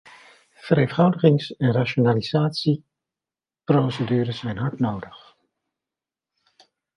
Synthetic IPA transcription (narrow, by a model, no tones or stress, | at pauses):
v̥əɾeffɑwdəχɪŋsɛnraʃonaliz̥aːtsi | prowsədyːɾəsɛjnɦɑɹtnowdəχ